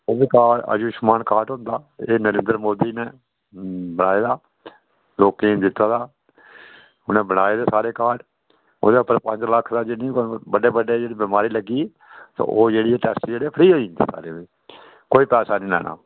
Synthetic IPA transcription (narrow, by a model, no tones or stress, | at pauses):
oːbiːkaːə̰d͡ʒuːʃmaːnkaːʈɦõːnd̪aːeːnəɾẽːnd̪əɾmoːd̪iːneː | bəɽaːeːd̪aː | loːkĩːnd̪ɪt̪ːaːd̪aː | ʊnẽːbəɽaːeːd̪eːsaːɾeːkaːɖ | o̰ːd̪eːʊpəɾpə̃ɲd͡ʒləkʰd̪aːd͡ʒenĩːbəɖeːbəɖeːd͡ʒeːɽiːbɪːmaːɾiːləɡiː | t̪õ̰ʔoːd͡ʒeːɽiːɛʈɛːsʈd͡ʒeːɽeːpʰəɾiːɦoːind̪ḛːsa̰ːɾeːiː | koːiːpɛːsaːnĩːlɛ̰ːna̰ː